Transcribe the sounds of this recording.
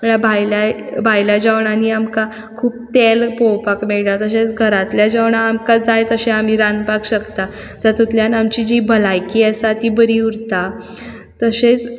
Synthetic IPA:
məɳabʱajlajbʱajljad͡ʑaʋɳaniamka | kʰuːp̚t̪elpowpakmeɭt̪at̪əɕet͡sɡʱəɾat̪ljad͡ʑaʋɳaːmkad͡zajt̪əɕeam̤iɾanpakɕəkt̪a | d͡zat̪ut̪ljanamt͡ɕid͡ʑibʱəlajkiːasat̪iːbəɾiːuɾt̪a | t̪əset͡s

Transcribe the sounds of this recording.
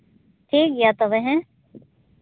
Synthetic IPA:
ʈʰiːkjat̪oʋɛ̃ɦɛ̃

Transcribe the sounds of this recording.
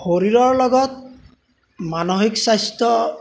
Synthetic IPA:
xoɾiɹɔɹlɔɡɔt̪̚ | manoɦiksajst̪ɔ

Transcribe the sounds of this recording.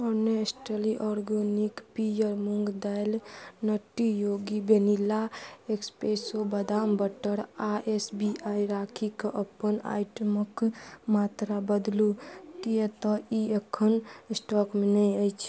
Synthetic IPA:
ɔneesʈeliʔɔɾɡənikpijəɾmuŋɡd̪ajlnəʈːijoɡibenilːaekspɾesobəd̪ambəʈəɾaʔesbiaiɾakʰikeʔəpːəna̰jʈəməkmat̪ɾabəd̪lut̪ijet̪ɔiekʰːənsʈɔkmenɛjəjt͡ʃʰ

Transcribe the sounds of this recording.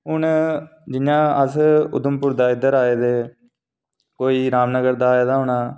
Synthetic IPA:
ɦʊnd͡ʒɪjãːəsʊ̰d̪əmpʊɾd̪aːɪd̪əɾaːeːd̪eː | koːiːɾaːmnəɡəɾd̪aːeːd̪aːɦʊɳaː

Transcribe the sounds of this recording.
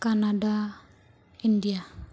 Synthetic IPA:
kanada | india

